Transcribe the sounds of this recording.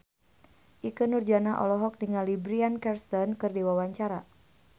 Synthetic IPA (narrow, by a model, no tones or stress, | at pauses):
ʔikənurd͡ʒanaʔɔ̰lɔɦɔk̚diŋalibɾiankɛrst̪ɔnkɨrdiwawaɲt͡ʃaɾa